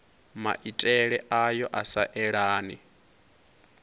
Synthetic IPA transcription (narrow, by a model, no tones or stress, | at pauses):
ma̰ʔitʼɛɺɛʔajɔʔasaʔɛɺaːni